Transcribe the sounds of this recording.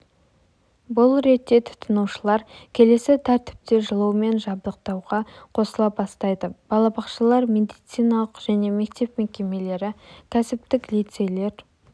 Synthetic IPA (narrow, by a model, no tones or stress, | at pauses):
bʊlˠɾe̞t̪ːe̞t̪ʰʊ̥t̪ʰənuʃəlˠɑɾkʲʰe̞le̞sɪt̪ʰæɾt̪ɪ̥p̚t̪e̞ʒəlˠəwəme̞nʒɑb̚d̪əq̚t̪ɑwʁɑqʰo̞səlˠɑp̚bɑst̪ɑjd̪əb̥ɑlˠɑbɑqʃəlˠɑɾme̞d̪ijt̪sijnɑlˠəqʒ̥æne̞me̞kt̪e̞pme̞kʲe̞me̞le̞ɾɪkʲʰæsɪp̚t̪ɪklijt̪se̞jle̞ɾ